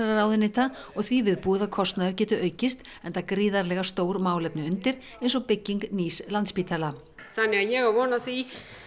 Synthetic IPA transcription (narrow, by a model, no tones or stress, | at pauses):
ɛɾaɾaːwðɪnɪht̪aɔɣθvivɪðpuːɪðakʰɔst̪naðʏɾcɛːt̪ʏʔœːɥcɪst̪ | ɛnt̪akɾiːðaɾlɛɣast̪oːwɾmaːwlɛpnɪʏnt̪ɪɾ | ẽjnsɔɣpɪcːiŋkniːslant̪spiːt̪ʰala | θanːɪaðjɛɣavɔːnaθi